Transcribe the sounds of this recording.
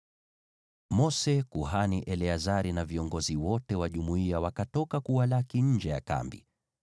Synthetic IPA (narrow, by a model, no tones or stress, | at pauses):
mɔsɛkuɦaniʔɛlɛazaɾinaviɔŋɡɔziwɔtɛwaʄumuiawakatɔkakuwalakiɲ̩d͡ʒɛja̰ka̰mbḭ